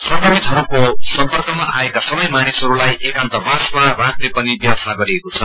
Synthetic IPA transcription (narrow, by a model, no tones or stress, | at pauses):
sʌbʌmit̪ʰɦʌɾukosʌmpʌrkʌmaʔaekasʌbʌjmanisɦʌɾulajʔekant̪ʌbasmaraʈrepʌnibjasaɡʌɾiekot͡sʰʌn